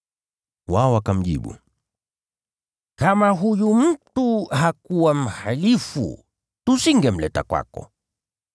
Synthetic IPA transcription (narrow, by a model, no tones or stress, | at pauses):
waɔwakam̩ʄḭɓṵ | kamaɦujum̩tuhakuwam̩halifṵ | tusiŋɡɛm̩lɛta̰kwa̰kɔ̰